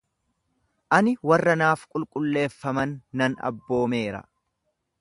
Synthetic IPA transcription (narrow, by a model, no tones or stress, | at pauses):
ʔɐnɪwɐrːɐnaːfkʼʊlkʼʊlːe̞ːfːɐmɐnːɐnɐ̰bːo̞ːme̞ːɾɐ̰